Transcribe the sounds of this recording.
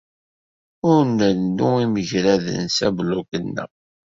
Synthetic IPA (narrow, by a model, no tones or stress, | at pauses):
ʊɾnːəɾduiməʝɾæðə̰nsæblukənːə̰